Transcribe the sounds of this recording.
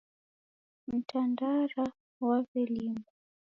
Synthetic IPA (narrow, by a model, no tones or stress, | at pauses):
m̩tandaɾa | wavilimbɔ